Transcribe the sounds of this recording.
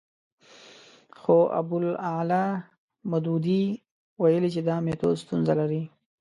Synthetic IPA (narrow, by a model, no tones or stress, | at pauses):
xoʔa̰b̪ʊlala | mʊd̪ud̪i | wajəlit͡ʃed̪ɑmet̪o̰st̪unzalaɾi